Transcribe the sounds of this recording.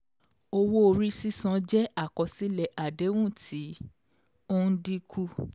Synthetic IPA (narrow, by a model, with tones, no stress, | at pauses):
o˧wo˦o˧ɾi˦si˦sã˧˦d͡ʒɛ˦a˦˨kɔ˨si˦lɛ˧˨ʔa˨de˨˦w̃ũ˦˨tʰi˨˦ | o˦di˧kʰu˦